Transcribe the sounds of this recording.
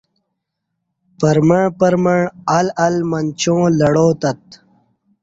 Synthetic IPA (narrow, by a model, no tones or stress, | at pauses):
pɐɾmɐɳpɐɾmɐɳɐlɐlmɐnt͡ɕõːlɐɽoːt̪ɐt̪̚